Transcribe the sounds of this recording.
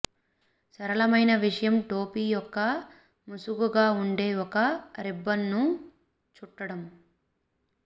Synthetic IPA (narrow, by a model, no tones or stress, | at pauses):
sɐɾɐɭɐmɐjnɐʋiʂɐjɐmʈo̞ːpiːjɔkːɐ | musuɡuɡaːuɳɖe̞ːɔkɐɾibːɐnːu | t͡ʃuʈːɐɽɐm